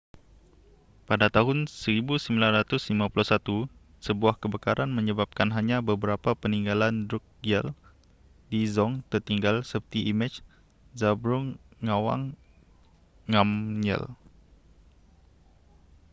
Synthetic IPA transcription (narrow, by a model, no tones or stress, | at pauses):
padat̪aɦʊnsəɾibusəmbilanɾat̪ʊslimãpulɔhsat̪u | səbuahkəbəkaɾanmə̃ɲəbap̚kanɦaɲabəbəɾapapəniŋɡalandɾuk̚ɡɛl | dizɔŋt̪ərt̪iŋɡalsəpərt̪iimat͡ʃ | zabɾuŋːawa̰ŋ | amɲə̰l